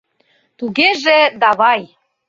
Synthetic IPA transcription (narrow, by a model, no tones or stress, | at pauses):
t̪uɣeʒed̪ɑβɑj